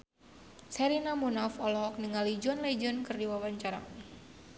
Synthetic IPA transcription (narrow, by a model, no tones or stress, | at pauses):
sɛɾinamunafɔlɔɦɔk̚nəŋalid͡ʒuanlɛd͡ʒɔnkɨrdiwawaɲt͡ʃaɾa̰